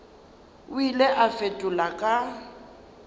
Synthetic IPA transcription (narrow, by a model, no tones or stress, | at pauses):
ʊileʔafetʼʊlakʼa